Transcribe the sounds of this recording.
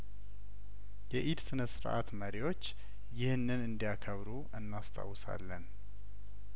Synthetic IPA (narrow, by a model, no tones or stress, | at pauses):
jɛʔid̪sɨnəsɨɾʔa̰t̪məɾiwo̞t͡ʃː | jɪhnːɨnɨnd̪ijakʰəβɾuʔɨnːast̪ʰa̰wːsa̰lːən